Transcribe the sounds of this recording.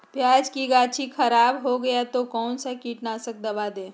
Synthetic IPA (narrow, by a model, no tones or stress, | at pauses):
pjaːd͡ʒkiɡaːt͡ʃʰikʰɐɾaːbɦoɡɐjat̪okɔːnsakiːʈnasək̚d̪ɐbaːd̪ẽː